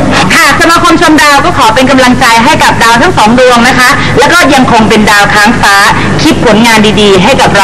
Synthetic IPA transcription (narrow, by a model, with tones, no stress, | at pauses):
hʰaː˨˩k̚sa˧maː˧kʰo˧mt͡ɕʰo˧mdaː˧wkɔː˥˩kʰɔː˩˦pe˧nka˧mla˧ŋt͡ɕa˧jɦa˥˩jka˨˩p̚daː˧wt̪ʰa˦˥ŋsɔː˩˦ŋdu˧əŋna˦˥kʰa˦˥ʔ | lɛː˦˥wkɔː˥˩ja˧ŋkʰo˧ŋpe˧ndaː˧wkʰaː˦˩ŋfaː˧˩ | kʰi˦˥t̪̚pʰo˩˦nŋaː˧ndiː˧diː˧ɦa˥˩jka˨˩p̚ɾ